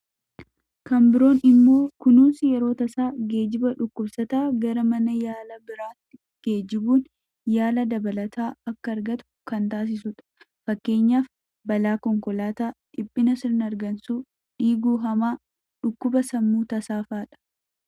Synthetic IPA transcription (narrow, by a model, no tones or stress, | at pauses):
kɐmbɪɾo̞ːnɪmːo̞ːkʊnuːnsɪjɛɾo̞ːt̪ɐsaːɡe̞ːd͡ʒɪbɐᶑʊkːʊbsɐt̪aːɡɐɾɐmɐnɐjaːlɐbɪɾaːt̪ːɪ | ɡ̥eːd͡ʒɪbuːn | jaːlɐd̪ɐbɐlɐt̪ʰaːɐkːɐːɾɡɐt̪ʊ̥kɐnt̪aːs̬ɪs̬ʊᶑɐ̥ | fɐkːe̞ːɲːaːf | bɐlaːkɔŋkɔlaːt̪aːᶑɪpʼːɪnɐsɪɾnɐɾɡɐnsuː | ᶑiːɡuːɦɐmaː | ᶑʊkːʊbɐsɐmːuːt̪ɐsaːfaːᶑɐ̥